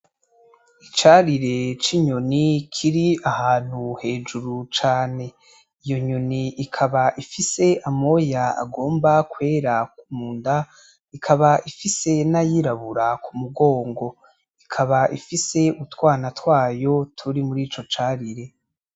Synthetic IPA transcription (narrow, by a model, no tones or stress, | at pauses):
it͡ʃaɾiɾe̞t͡ʃiɲonikʰiɾiahaːn̥huhe̞ːd͡ʒuɾut͡ʃaːne̞ | ijo̞ɲoniʔikʰaβaʔifise̞ʔamo̞jaa̰ɡo̞ːmbakwe̞ːɾakumuːnda | ikʰaβaʔifise̞najiɾaβuɾakumuɡo̞ːŋɡo̞ | ikʰaβaʔifise̞utwaːnatwaːjo̞tʰuɾimuɾiːt͡ʃo̞t͡ʃaːɾiɾe̞